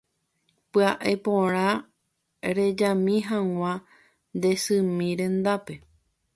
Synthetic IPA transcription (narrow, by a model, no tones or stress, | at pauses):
pɨaʔepõɾ̃ã | ɾe̞d͡ʒamĩɦãŋw̃ʷã | nd̪e̞sɨmĩɾẽ̞nd̪ape̞